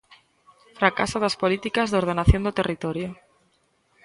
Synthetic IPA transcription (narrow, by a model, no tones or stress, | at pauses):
fɾakasoðaspolit̪ikazðoɾð̞enaθjond̪ot̪erit̪oɾjo